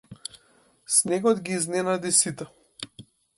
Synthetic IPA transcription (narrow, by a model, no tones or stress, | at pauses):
snɛɡɔd̪ɡiːznɛnad̪isit̪ɛ